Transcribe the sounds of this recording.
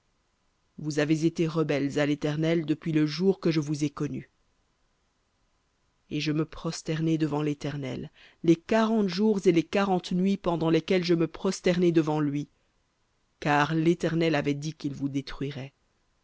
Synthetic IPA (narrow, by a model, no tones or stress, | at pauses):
vuzavezet̪eʁəbɛlzalet̪ɛʁnɛld̪əpɥiləʒuʁkəʒəvuzekɔny | eʒəməpχɔst̪ɛʁned̪əvɑ̃let̪ɛʁnɛlː | ekaʁɑ̃t̪ʒuʁzelekaʁɑ̃t̪nɥipɑ̃d̪ɑ̃lekʲɛlʒəməpχɔst̪ɛʁnɛd̪əvɑ̃lɥi | kaʁlet̪ɛʁnɛlavɛd̪ikilvud̪et̪χɥiʁɛ